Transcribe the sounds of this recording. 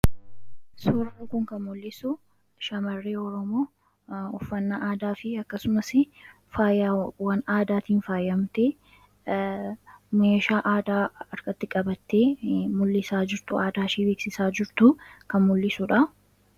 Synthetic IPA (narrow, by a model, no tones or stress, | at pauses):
sɔɾɐːŋkʊŋkɐnmʊlːɪsʊ | ʃɐmɐrːeːɔɾɔmoː | ɔfːɐnːɐʔaːd̪aːfɪɐkːɐsʊmɐsɪ | faːjawɐnaːd̪aːt̪iːnfaːjɐmt̪eː | meːʃaːʔaːd̪aːɐɾkɐt̪ːɪkʼɐbɐt̪ːeːmʊlːɪsaːd͡ʒɪɾt̪ʊaːd̪aːʃiːbeːksɪsaːd͡ʒɪɾt̪ʊkɐnmʊlːɪsʊᶑɐ